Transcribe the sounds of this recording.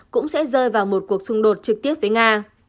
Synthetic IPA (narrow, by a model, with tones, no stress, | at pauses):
kʊ̰˧˥ŋ͡msɛ̰˧˥zəː˧jvaː˨˩wmo˨˩t̚ku˨˩ək̚sʊ˧ŋ͡mɗo˨˩t̚t͡ɕɨ˨˩k̚t̪i˦˥əp̚vəː˨˦jŋaː˧